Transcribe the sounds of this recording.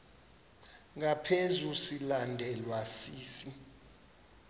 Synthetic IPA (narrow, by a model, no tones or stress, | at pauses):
ŋapʰezusilandʱɛlwasiːsi